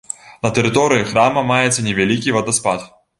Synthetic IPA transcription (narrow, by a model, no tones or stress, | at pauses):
nɐt̪ɛɾɨt̪ɔɾɨjixɾamɐmajɛt̪sːɐnʲɛvʲalʲikʲivɐd̪ɐspat̪